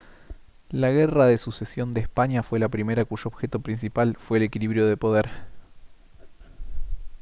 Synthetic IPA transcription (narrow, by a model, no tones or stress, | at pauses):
laɣe̞raðe̞susesjo̞nd̪espaɲjafwe̞lapɾime̞ɾakuʒoːβxe̞t̪o̞pɾinsipalfwe̞ːle̞kiliβɾjo̞ð̞e̞po̞ð̞eɾ